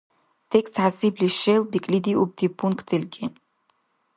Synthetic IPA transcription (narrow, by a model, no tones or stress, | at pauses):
tʰekstʰʕasibliʃejlbikʼlid̪iub̚dʰipʰunkʰʼtʰɨlʲɡʲi